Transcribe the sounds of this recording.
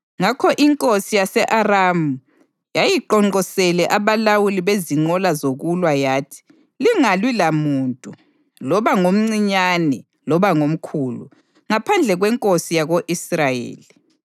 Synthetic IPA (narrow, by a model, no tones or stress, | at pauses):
ŋakʰɔʔiŋkʼosijasɛʔaramu | jajiǃɔŋ͡ǃɔsɛlɛʔaβalawuliβeziŋ͡ǃɔlazoɣulwajaːtʰi̥ | liŋalwilamuːntʼu | lɔβaŋom̩ŋ͡ǀiɲanɛ | lɔβaŋom̩kʰuːlṵ | ŋapʰand͡ɮʱɛɣwɛŋkʼosijaɣoʔisrajḛːli